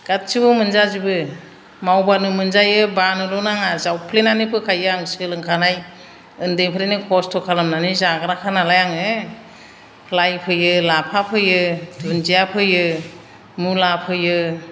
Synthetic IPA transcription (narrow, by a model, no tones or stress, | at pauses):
ɡ̥at̚t͡ʃɯbɯmɯnzazibɯ | mawbanɯmɯnzajɯbanɯlɔnaŋazawpʰlenanɯpʰɯkʰajɯaŋsɯlɯŋkʰanaj | ɯndɯjpʰɯɾenɯkʰɔstʰɔkʰalɯmnanizaɡaɾakʰanalajaŋɯ | lajpʰɯjɯlapʰapʰɯjɯdunzijapʰɯjɯ | mulapʰɯjɯ